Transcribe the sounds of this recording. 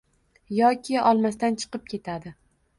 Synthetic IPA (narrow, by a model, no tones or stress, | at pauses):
jɒkʲʰɪɒlˠmast̪ant͡ʃʰɨ̥qɨp̚kʲʰe̞t̪ʰad̪ɪ